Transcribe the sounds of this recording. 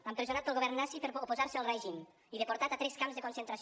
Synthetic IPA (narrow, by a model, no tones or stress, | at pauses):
ampɾəzjonat̪̚pəlˠɣoβɛɾnːasipəɾopozaɾsəəlrɛjʒin | iðəpoɾt̪at̪at̪ɾɛskamzðəkonsənt̪ɾas